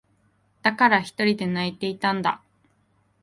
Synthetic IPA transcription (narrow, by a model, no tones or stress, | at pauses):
d̪̥akaɾaçi̥t̪o̞ɾʲid̪e̞nait̪e̞it̪ãnd̪a̰